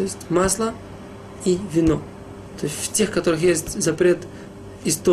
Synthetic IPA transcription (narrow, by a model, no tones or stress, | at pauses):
t̪oɪsʲtʲmaslˠə | ivʲɪno | t̪o̞sʲtʲftʲe̞xkɐt̪o̞ɾɨxjesʲtʲzɐpɾʲe̞t̪ | ɪst̪o